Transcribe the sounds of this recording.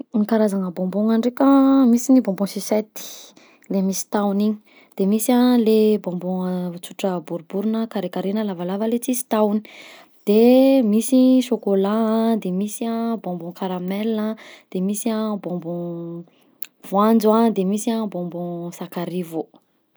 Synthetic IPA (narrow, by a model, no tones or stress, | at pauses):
nikaɾazaŋəbɔ̃mbuŋaɳɖ͡ʐekəmisinibɔ̃mbũsiset̪i̥ | lemisi̥t̪awniɲi̥ | d̪̥emisalebɔ̃mbɔ̃t͡suʈ͡ʂəbuɾubuɾunəkaɾekaɾenəlavalavəlet͡sizi̥t̪awni̥ | d̪̥emisiʃokolad̪emisiabɔ̃mbɔ̃kaɾamɛlnəd̪̥emisiabɔ̃mbɔ̃ | vwand͡zuad̪emisabɔ̃mbɔ̃sakaɾivu